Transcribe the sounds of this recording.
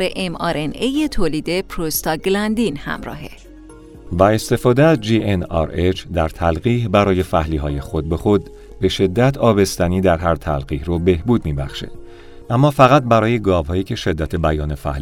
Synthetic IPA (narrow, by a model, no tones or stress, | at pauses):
ɾeʔemɒɾenejet̪ʰoːliːd̪epʰɾost̪ɒɡlænd̪inhæ̰mɾɒ̰ːɦe | væe̞st̪e̞fɒːd̪eæzd͡ʒiːʔenɒ̰ɾet͡ʃʰd̪æɾt̪ʰælɢiːhbæɾɒːje̞fæhliːɦɒːje̞xo̞d̪̚be̞xo̞d̪ | be̞ʃe̞d̪ːæt̪ʰɒːbe̞st̪æniːd̪æɾɦæɾt̪ʰælɡiːhrobe̞hbuːd̪miːbæxʃḛd̥ | ʔæmːɒːfæɣæt̪̚bæɾɒːje̞ɡɒːvhɒːjiːcʰe̞ʃe̞d̪ːæt̪ʰebæjɒːne̞fæ̰hl